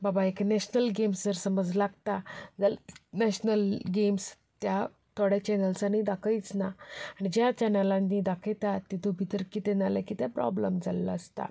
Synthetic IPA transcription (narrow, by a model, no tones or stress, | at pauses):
babaeknɛɕnəlɡemsd͡zəɾsəməd͡zlaɡt̪ad͡zalnɛɕnəlɡems | t̪ja | t̪ʰoɽɛt͡ɕɛnəlsanid̪akʰəjit͡snaaɽ̃id͡ʑjat͡ɕɛnəlãnːid̪akʰet̪at̪ːit̪ʰobʱit̪əɾkit̪enaləkit̪ɛpɾɔ̰bləmd͡zalːa̰st̪a̰